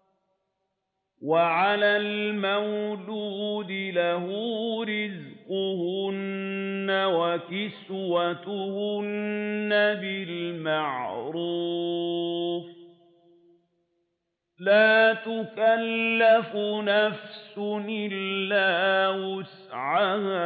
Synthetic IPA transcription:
waʕalalmawluːd̪ɪlaɦʊɾɪzqʊhʊnːawakɪswat̪ʊhʊnːabɪlmaʕɾuː | f | laːt̪ʊkalːafʊnafsʊʔɪlːaːwʊs | ʕaha

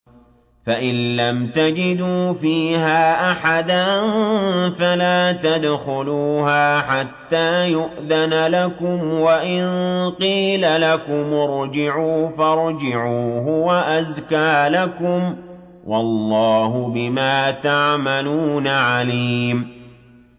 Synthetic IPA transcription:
faʔɪnlamt̪ad͡ʒɪd̪uːfiːhaːʔaħad̪anfalaːt̪ad̪xʊluːhaːħat̪ːaːjʊʔðanlakʊmwaʔɪnqiːlalakʊmʊɾˤd͡ʒɪʕuːfɑɾˤd͡ʒɪʕuːɦʊwaʔazkaːlakʊm | wʔɑlˤːɑːɦʊbɪmaːt̪aʕmaluːnaʕaliːm

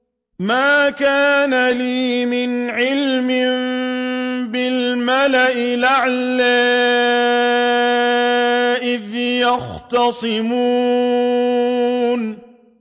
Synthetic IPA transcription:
maːkaːnaliːmɪnʕɪlmɪm | bɪlmalaʔɪlaʕlaː | ʔɪðjɑxt̪ɑsˤɨmuː | n

